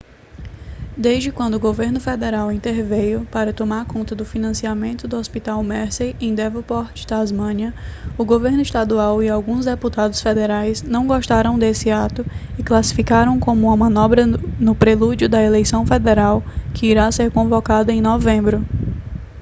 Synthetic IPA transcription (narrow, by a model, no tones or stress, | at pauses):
d̪eʒd͡ʒɪkwɐ̃nd̪ʊɡoveɾnʊfɛd̪ɛɾawĩnt̪eɾvejʊpaɾɐt̪omaɾkõnt̪ɐd̪ʊfinɐ̃siamẽnt̪ʊd̪ʊospit̪awmɛɾsejẽj̃d̪ɛvopɔɾt͡ʃɪ̥t̪azmɐ̃niɐʊɡoveɾnʊist̪ad̪uawiawɡũzd̪eput̪ad̪ʊsfɛd̪ɛɾajznɐ̃w̃ɡɔʃt̪aɾɐ̃w̃d̪esɪat̪ʊɪklasi̥fikaɾɐ̃w̃kõmʊũmɐmɐ̃nɔbɾɐnʊpɾelud͡ʒjʊd̪ɐelejsɐ̃w̃fɛd̪ɛɾawkɪiɾaseɾkõvɔkad̪ɐẽj̃nɔvẽmbɾʊ